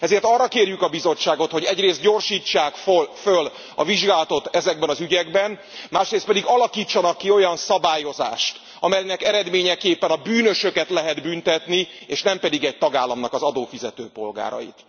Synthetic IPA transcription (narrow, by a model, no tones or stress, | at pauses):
ɛzeːrt̪ɒrːɒkeːrjykɒbizo̞t͡ʃːaːɡo̞t̪ho̞ɟɛɟreːst̪̚ɟo̞ːrʃiːt͡ʃːaːkfføl | ɒ̰viʒɡaːlɒt̪o̞t̪ɛzɛɡ̚bɛnɒzyɟɛɡbɛn | maːʃreːst̪pɛd̪iɡɒlɒkiːt͡ʃːɒnɒkːio̞jɒnsɒbaːjo̞za̰ːʃt̪ | ɒmɛjnɛkɛɾɛd̪meːɲɛkeːpːɛnɒbyːnø̞ʃø̞kɛt̪lɛɦɛd̪bynt̪ɛt̪ni | eːʃnɛmpɛd̪iɡɛɟ̚t̪ɒɡaːlːɒmnɒkɒzɒd̪oːfizɛt̪øːpo̞lɡa̰ːɾɒ̰jḭt̪